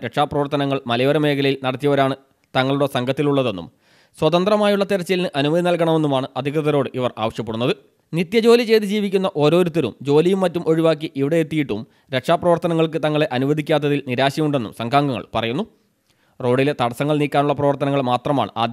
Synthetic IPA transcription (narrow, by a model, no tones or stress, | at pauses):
ɾekʂaːprɐʋɐrt̪ɐnɐŋːɐɭmɐlɐjoːɾɐme̞ːkʰɐlɐjilnɐɽɐt̪ːijɐʋɐɾaːɳɨ | t̪ɐŋːɐɭuɽesɐŋɡʱɐt̪ːiluɭːɐðe̞nːṵm | swɐt̪ɐnd̪rɐmaːjuɭːɐt̪iɾɐt͡ɕːɐlnɨʔɐnumɐd̪ʱinɐlkɐɳɐme̞nːumaːɳɨʔɐd̪ʱikrɨðɐɾo̞ːɖɨʔiʋɐra̰ːʋɐɕjɐpːe̞ɽunːɐðɨ | nit̪jɐd͡ʑo̞ːlit͡ɕe̞jt̪ɨd͡ʑiːʋikʲːunːɐʔo̞ːɾo̞ːɾut̪ːɐɾṵmd͡ʑo̞ːlijumːɐtːumʔo̞ɻiʋaːk̬ːiʔiʋiɽe̞et̪ːijiʈːum | ɾe̞kʂaːprɐʋɐrt̪ɐnɐŋːɐɭkɨt̪ɐŋːɐɭe̞ʔɐnuʋɐd̪ʱikʲːaːt̪̬ːɐðilniɾaːɕijɐmuɳɖe̞nːṵmsɐŋɡʰʱaːŋɡɐŋːɐ̰ɭpɐrɐjunːu | ro̞ːɖile̞t̪ɐɽɐsɐŋːɐɭniːkʲːaːnuɭːɐprɐʋɐrt̪ɐnɐŋːɐɭmaːt̪rɐma̰ːɳɨʔa̰ːd̪j